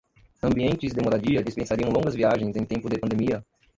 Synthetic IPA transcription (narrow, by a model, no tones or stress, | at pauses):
ɐ̃mbiẽnt͡ʃɪzd̪emoɾad͡ʒiɐd͡ʒispẽsaɾiɐ̃w̃lõŋɡɐzviaʒẽj̃zẽj̃t̪ẽpʊd̪epɐ̃nd̪emiɐ